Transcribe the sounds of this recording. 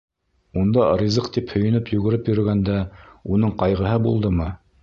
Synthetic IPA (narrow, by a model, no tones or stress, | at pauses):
und̪ɑrʲizɤqt̪iphɵ̆jɘ̆nɘpjʉɡɘ̆ɾɘpjɵ̆ɾ̆ɡænd̪æunɤɴqɑjʁɤ̆ɦɤbulˠd̪ɤmɤ